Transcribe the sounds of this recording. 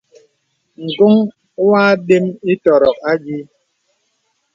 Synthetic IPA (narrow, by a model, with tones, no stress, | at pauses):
ŋ̩˨ɡu˦ŋ˦ | waː˦de˦mi˦tɔ˨ɾɔ˨k̚a˦d͡ʒi˦